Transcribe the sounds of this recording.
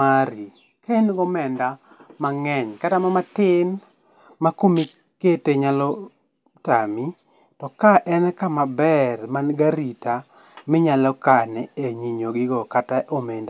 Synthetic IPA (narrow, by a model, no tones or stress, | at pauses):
aɾi | kaenɡɔmɛnda | maŋɛɲkatamamatɪn | makomi | keteɲalɔ | tami | tɔkaʔɛnkamabɛrmanɡaɾita | mɪɲalɔkanɛeɲiɲoɡɪɡɔkataʔomenda